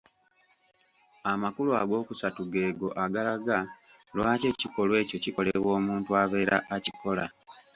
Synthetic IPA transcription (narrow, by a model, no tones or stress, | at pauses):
amakulua̰ɡo̞ːkusatuɡe̞ːɡo̞ʔaɡalaɡa | lwaːce̞ciko̞lwe̞ːco̞ciko̞le̞βwo̞ːmuːntuaβe̞ːɾa̰ʔːcikʰo̞la̰